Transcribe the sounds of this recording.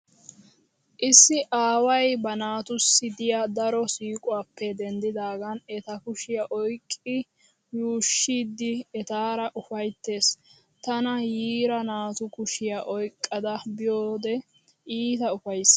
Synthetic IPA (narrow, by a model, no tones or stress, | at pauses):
ʔɪsːɪʔaːwɐjbɐnaːt̪ʊsːɪd̪ɪjad̪ɐɾɔsiːkʼʊaːpːɛd̪ɛnd̪ɪd̪aːɡɐnɛt̪ɐkʊʃɪjɐʔɔjkʼːɪ | juːʃːiːd̪ːɪɛt̪aːɾɐʔʊfɐjt̪ːe̞ːs | t̪ɐnɐjiːɾɐnaːt̪ʊkʊʃɪjɐʔɔjkʼːɐd̪ɐbɪjoːd̪ɛ | ʔiːt̪ɐʊfɐjs